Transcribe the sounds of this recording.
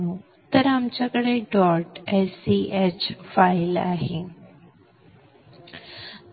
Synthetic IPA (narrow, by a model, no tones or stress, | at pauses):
ũ | t̪ɐɾamt͡ɕɐkɽeɖɔːʈɛːsiːʔeːt͡ɕfaːɪla̰ːɦẽː